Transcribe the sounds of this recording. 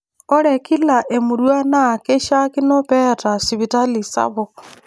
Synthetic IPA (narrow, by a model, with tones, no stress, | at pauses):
o˦ɾeki˦laʔe˨muɾwa˦na˦˨ke˦ʃaki˦nopɛta˨si˨βita˦lisa̰βo